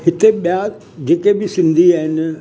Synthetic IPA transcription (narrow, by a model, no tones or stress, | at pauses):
hɪt̪eɓija | d͡ʑeːkebɪsɪ̃nd̪ʱiaːɦɪnɪ̆